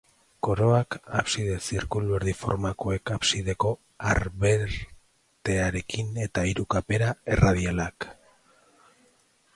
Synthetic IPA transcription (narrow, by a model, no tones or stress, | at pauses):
ko̞ɾo̞akapsiðe̞siɾkulβe̞ɾðifo̞̰ɾmakoe̞kapsiðe̞ko̞ | aɾβe̞ɾ | t̪e̞aɾe̞kine̞t̪aiɾukape̞ɾae̞raðialak